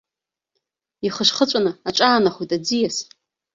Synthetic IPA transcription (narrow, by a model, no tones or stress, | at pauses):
iχəʂχət͡ʃʷʼanɨaʈ͡ʂʼaːnaχʷijtʼad͡zijas